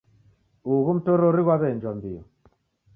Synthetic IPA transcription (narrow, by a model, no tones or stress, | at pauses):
uɣum̩tɔɾɔɾiɣwaβɛnd͡ʒwambiɔ